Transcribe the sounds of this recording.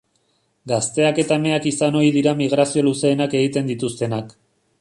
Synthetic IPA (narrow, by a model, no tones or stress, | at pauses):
ɡast̪e̞ake̞t̪aeme̞akisano̞iðiɾamiɣ̞ɾasio̞luse̞ːnakeɣit̪e̞nd̪it̪ust̪e̞nak